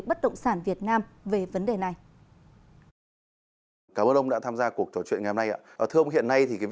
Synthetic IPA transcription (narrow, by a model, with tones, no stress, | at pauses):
ɓə˦˥t̚ɗə̰˧˨wŋ͡msaː˧˩nvi˨˩ət̚naː˧mve˨˩və˨˦nɗe˨˩na˨˩j | kaː˧˩məː˧nʔə˧wŋ͡mɗa̰ː˧˥t̪ʰaː˧mzaː˧ku˨˩ək̚t͡ɕo˧˦˩t͡ɕwḭ˧˨nŋ˨˩jho˧na˧jʔa̰ː˧˦ʔəː˧˩t̪ʰɨ˧wŋ͡mɦḭ˧˨ənːa˧jt̪ʰi˨˩kaː˨˦